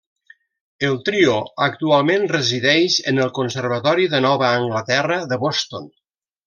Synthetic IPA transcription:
əlˠt̪ɾioək̚t̪ualˠmẽnrəziðɛʃənəlˠkonsəɾβ̞ət̪ɔɾiðənɔβəːŋɡlət̪ɛrəðəβɔst̪o̰n

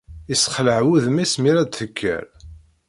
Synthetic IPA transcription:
isχləʕwuðmismiɾæd̪θəkʰːæ̰ɾ

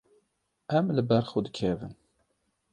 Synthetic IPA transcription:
æmləbəɾˤχud̪kʰævə̰n

